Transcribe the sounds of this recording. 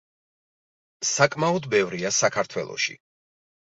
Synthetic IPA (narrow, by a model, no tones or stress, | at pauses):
sakʼmaɔd̪bɛvɾiasakʰaɾt̪ʰwɛlˠɔ̰ʃḭ